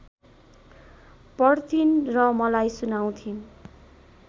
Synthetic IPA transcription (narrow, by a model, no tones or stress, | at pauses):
pʌɽt̪ʰinrʌmʌlajsunaw̃t̪ʰin